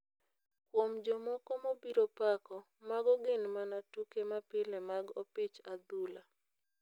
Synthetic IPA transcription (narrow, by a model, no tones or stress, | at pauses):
kwomd͡ʒɔmɔkɔmobiɾopakɔ | maɡɔɡɪnmanatukemapɪlɛmaɡɔpɪt͡ʃad̪ula